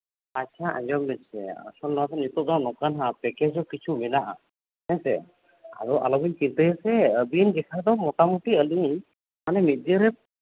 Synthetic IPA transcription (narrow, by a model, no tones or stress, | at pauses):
at͡ʃʰaʔã̰d͡ʒɔmlɛsɛ̰ə̰sɔlnɔwat̪ɔnut̪ɔd̪ɔnɔkanɦapɛkɛsɔkit͡ʃʰuminaʔa̰ | nɛsɛ̰ | a̰ɾɔʔa̰lɔbiɲkit̪əjɛsɛəbind͡ʒɛkʰad̪ɔmɔʈamuʈiəliɲ | manɛmit̪̚dəɾɛ